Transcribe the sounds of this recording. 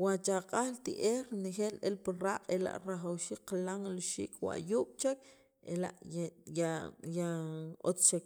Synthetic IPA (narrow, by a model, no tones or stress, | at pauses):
wat͡ʃaqʼaxlt̪iʔeːɾɾnexeːlʔelpiɾaːqʼela̰ʔɾaχawʃiːk̚qalaŋluʃḭːkʼwa̰ʔjuːɓ̥t͡ʃak | ḛla̰ʔjajaot͡st͡ʃek